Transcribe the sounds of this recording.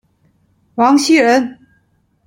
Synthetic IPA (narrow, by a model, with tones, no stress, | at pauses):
wɑ˧˥ŋɕi˥ɻə˧˥n